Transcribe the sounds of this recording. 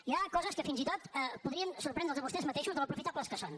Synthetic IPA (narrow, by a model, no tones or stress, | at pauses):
iakɔzəskəfinzit̪ot̪ɛpuðɾiənsuɾrpɾɛnd̪ɾəlˠzəβust̪ɛzmət̪eʃuzðəlˠəpɾufit̪apləskəson